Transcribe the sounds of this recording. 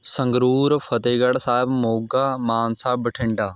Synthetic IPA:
sə̃ŋɡɾuːɾfʰət̪eːɡəɽsaːɦɪbmoːɡaːmaːnsaːbəʈʰɪɳɖaː

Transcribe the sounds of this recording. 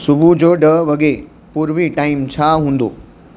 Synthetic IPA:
sʊbʱud͡ʑoːɖəʋɐɡe | puːɾʋiʈaːimt͡ɕʰaɦũːnd̪o̰ː

